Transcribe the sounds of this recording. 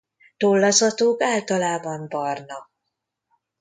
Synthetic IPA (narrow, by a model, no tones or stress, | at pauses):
t̪olːɒzɒt̪oːkaːlt̪ɒlaːbɒmbɒrnɒk